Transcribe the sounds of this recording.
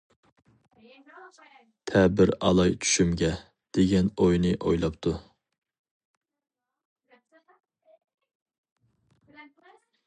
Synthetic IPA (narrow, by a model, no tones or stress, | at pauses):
t̪ʰɛbɪɾɑ̰lˠɑjt͡ʃ̪ʰy̥ʃymɡʲɛ | d̪̥eɡʲɛnojnɨʔojlˠɑp̚t̪ʰu